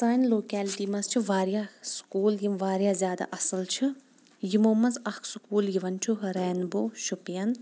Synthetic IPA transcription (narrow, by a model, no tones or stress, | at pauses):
saːnloːkɛːlʈiːmɐst͡ʃʰiʋaːɾjaːskuːljimʋaːɾjaːzʲjaːd̪a̰ʔɐsɨlt͡ʃʰi | jimoːmɐnzɐkʰsukuːljiʋɐnt͡ʃʰuɦɾɛːnboːʃupjɐn